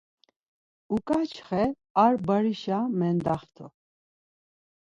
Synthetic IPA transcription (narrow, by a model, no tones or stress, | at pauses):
ukʼat͡ʃʰχɛ | aɾbəɾiʃamɛnd̪aχt̪ʰɔ̰